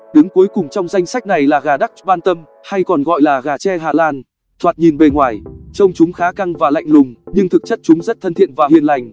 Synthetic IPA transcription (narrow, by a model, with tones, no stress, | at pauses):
ɗɨ˨˦ŋku˨˦jkʊ˨˩ŋ͡mt͡ɕɔ˧wŋ͡mza˧jŋ̟sa˦˥k̟̚na˨˩jlaː˨˩ɣaː˨˩ɗa˦˥k̚ɓaː˧nt̪ə˧m | ha˧jkɔ˨˩nɣɔ̰˧˨jlaː˨˩ɣaː˨˩t͡ɕɛ˧ɦaː˨˩laː˧n | t̪ʰwaː˨˩t̚ɲi˨˩nɓe˨˩ŋwaː˨˩jt͡ɕə˧wŋ͡mt͡ɕʊ˨˦ŋ͡mxaː˨˦ka˧ŋvaː˨˩la̰˧˨jŋ̟lʊ˨˩ŋ͡mɲɨ˧ŋt̪ʰɨ˨˩k̚t͡ɕə˦˥t̚t͡ɕʊ˨˦ŋ͡mzə˦˥t̚t̪ʰə˧nt̪ʰḭ˧˨ənvaː˨˩hḭ˧˩ənla˨˩jŋ̟